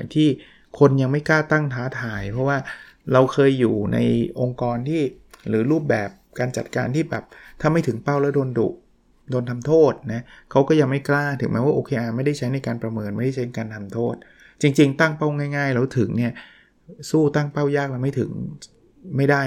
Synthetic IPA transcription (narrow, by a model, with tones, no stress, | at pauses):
t̪ʰiː˥˩ | kʰo˧nja˧ŋma˥˩jklaː˥˩t̪a˥˩ŋt̪ʰaː˦˥t̪ʰaː˩˦jpʰɔ˦˥waː˥˩ | ɾa˧wkʰɤː˧jːuː˨˩na̰˧jʔo˧ŋkɔː˧nt̪ʰiː˥˩ | ɾɯː˩˦ɾuː˥˩p̚bɛː˨˩p̚kaː˧nt͡ɕa˨˩t̪̚ka̰ː˧nt̪ʰiː˥˩bɛ̰ː˨˩p̚t̪ʰaː˥˩ma˥˩jt̪ʰɯ˩˦ŋpa˥˩wlɛ˦˥wdoː˧ndṵ˨˩ʔ̚ | doː˧nt̪ʰa˧mt̪ʰoː˥˩t̪̚na˦˥kʰa˦˥wkɔː˥˩ja˧ŋma˥˩jklaː˥˩t̪ʰɯ˩˦mɛː˦˥waː˥˩ʔoː˧kʰeː˧ʔa˨˩ma˥˩jda˥˩jt͡ɕʰa˦˥jna˧jkaː˧npɾa˧mɤː˧nma˥˩jda˥˩t͡ɕa˦˥na˧kaː˧nt̪ʰa˧mt̪ʰoː˥˩t̪̚ | t͡ɕi˧ŋt͡ɕi˧ŋt̪a˥˩ŋpa˥˩wŋaː˥˩jŋaː˥˩jlɛː˦˥wt̪ʰɯ˨˩˦ŋni˥˩ɐ | suː˥˩t̪a˥˩ŋpa˥˩wjaː˥˩k̚a˧wma˥˩jt̪ʰɯ̰˩˦ŋ | ma˥˩jdaː˥˩